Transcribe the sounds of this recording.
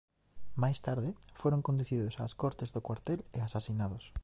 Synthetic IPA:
majst̪aɾðɪfoɾoŋkõnd̪uθiðosaːskɔɾt̪ɪzðokwaɾt̪elɪasasinaðos

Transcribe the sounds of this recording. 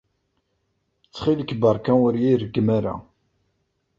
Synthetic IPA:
t͡sːχiləkːbəɾkæwəɾjiɾəɡːmaɾa̰

